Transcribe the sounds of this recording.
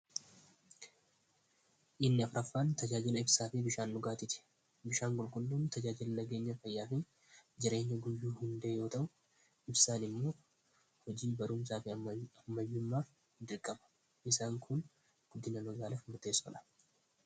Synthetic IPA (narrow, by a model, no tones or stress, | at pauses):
ʔɪnːɪɐfɾɐfːaːnt̪ɐd͡ʒaːd͡ʒɪlɐɪbsaːfɪbɪʃaːnːʊɡaːt̪ɪt̪ɛ̥ | bɪʃaːŋɡʼʊlkʼʊlːuːnt̪ɐd͡ʒaːd͡ʒɪlɐnɐɡe̞ːɲːɐfɐjːaːfɪ | d͡ʒɪɾe̞ːɲːɐɡʊjːuːhʊnd̪eːjo̞ːt̪ɐʔʊ | ɪbsaːnɪmːo̞ː | hɔd͡ʒiːbɐɾʊmsaːfɪɐmːɐjːʊmːaːf | d̪ɪɾkʼːɐbɐ̥ | ʔɪsaːŋkʰʊn | ɡ̥ʊd̪ːɪnɐmɐɡaːlɐfmʊɾt̪e̞ːsɔ̰lɐ̥